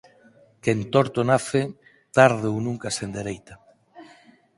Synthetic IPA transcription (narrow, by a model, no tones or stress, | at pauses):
kent̪oɾt̪onaθɪ | t̪aɾðownuŋkasend̪eɾejt̪a